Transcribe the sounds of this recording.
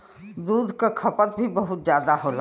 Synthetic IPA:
d̪uːd̪ʱkakʰɐpət̪bʱibəɦʊt̪zjaːd̪aɦoːla

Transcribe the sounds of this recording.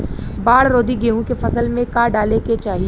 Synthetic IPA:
baːɽɾoːd̪iɡeːũkefɐsəlmẽkaːɖaːleket͡ʃaːɦi

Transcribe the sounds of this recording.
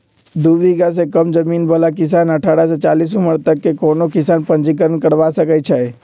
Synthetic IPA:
d̪uʋiɡas̬ekəmd͡ʒəmiːnbəlakɪs̬aːnəʈʰaɽaset͡ʃalis̬ũməɾt̪əkːekonokɪsaːnpənd͡ʒik̬əɾənkəɾʋasəkət͡ʃʰɛ

